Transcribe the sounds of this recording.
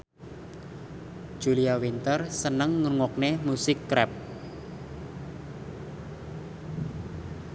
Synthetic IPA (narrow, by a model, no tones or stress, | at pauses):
d̥ʒ̥uliawint̪ərsənəŋːuŋɔk̚nemusɪkːɾɛp̚